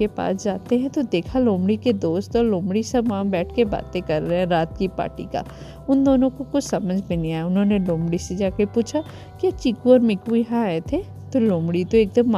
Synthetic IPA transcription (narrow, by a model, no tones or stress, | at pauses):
epa̰ːsd͡ʒaːt̪eɦɛ̃t̪od̪eːkʰalõːmɽiked̪oːst̪ɔlõːmɽisɐbʋãbɛːʈʰkeba̰ːt̪ẽkɐɾːeɛ̃ɾaːt̪kipa̰ːʈḭka̰ | ʊnd̪oːnõkokʊt͡ʃʰsɐməd͡ʒʱbʱinĩaːjʊnɦõːnelõːmbɽised͡ʒaːkepuːt͡ʃʰa | kiɐt͡ʃɪkuɔːɾmɪkujɐɦãaːet̪ʰe | t̪olõːmɽit̪oeːk̚d̪əmː